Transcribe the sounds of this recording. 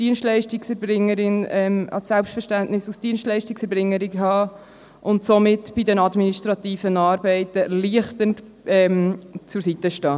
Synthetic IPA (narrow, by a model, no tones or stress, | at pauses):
d̥iənstlɛɪʃtiksɛɾbɾɪŋːəɾɪnɛmɑ̰lsɛlpstfɛɾʃtæntnɪsusd̥iənstlɛɪʃtɪksɛɾbɾɪŋːəɾɪɡəɦɑː | ʔʊntsomɪtb̥ɪdənɑdminiʃtɾɑt̪iːfənɑːɾbɛɪtəliəχtənt | ɛmt͡sʊɾsitəʃtɑː